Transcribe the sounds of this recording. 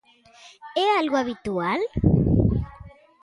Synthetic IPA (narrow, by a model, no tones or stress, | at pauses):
ealɣuaβit̪ual